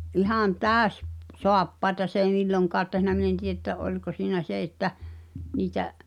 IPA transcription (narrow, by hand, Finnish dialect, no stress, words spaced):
ʔihɑˑn tæːø̆s soɑpːɑetɑ s eˑi milːoŋkɑːt tehnæ min en tij̆e tːæ olʲko siːnæ se etːæ niːtæʔ